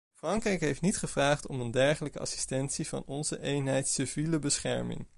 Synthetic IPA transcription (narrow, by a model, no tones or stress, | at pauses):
frɑŋkrɛjkɦejftnitχəv̥raːχtɔməndɛɹχələkəɑ̰si̥stɛnsiv̥ɑ̰nɔnzəʔejnɦɛjtsəviləbəsχɛ̰ɹmɪ̰ŋ